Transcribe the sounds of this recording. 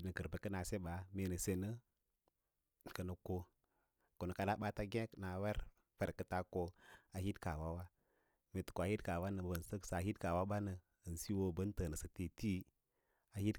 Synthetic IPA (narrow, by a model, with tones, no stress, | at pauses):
nə˨kə˨ɾbə˨kə˦na˨se˦ɓa˨˦me˨nə˨se˨nə˦ | kə˨nə˨ko˦ | ku˨nə˨ka˨la˦ɓa˦ta˦ɡe˦kna˨we˦ɾ | fe˨ɾkə˦ta˦ko˦a˨hi˦dka˨wa˦wa˦ | me˨tə̥˨ko˨a˨hi˦dka˨wa˦nə˨bbə˨n˨sə˦ksa˨hi˦dka˨wa˦ɓa˦nə˨ | ə˨n˨si˦wo˦bə˦ntə˨nə˨sə˨ti˦ti˦ | a˨hi˦d